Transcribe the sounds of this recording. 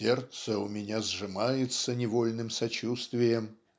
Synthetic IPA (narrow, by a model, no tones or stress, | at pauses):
ert̪səʊmʲɪnʲazʐɨmajɪt̪sənʲɪvolʲnɨmsɐt͡ɕust̪vʲɪjəm